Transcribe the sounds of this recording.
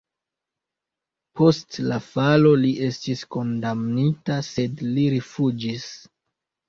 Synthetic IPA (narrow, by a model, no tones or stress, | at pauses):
po̞stlafalo̞liʔe̞stisko̞ndamnitase̞dliɾifud͡ʒis